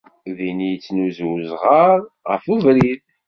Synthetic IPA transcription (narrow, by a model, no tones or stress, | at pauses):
ðinijət͡sːnuzwzʁəɾˤ | ʁəfuvɾið